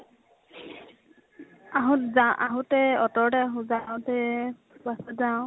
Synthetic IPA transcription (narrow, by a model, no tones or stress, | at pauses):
aɦʊzaʔaɦʊtɛɔtɔɹdɛaɦʊ̃zaʊtɛ | basazã